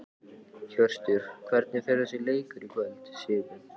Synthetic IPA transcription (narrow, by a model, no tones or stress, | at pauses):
çœr̥st̪ʏɾ̥kʰvɛɾt̪̚nɪθɛɾasɛleːjkʏɾikvœlt̪sjɪːðʏ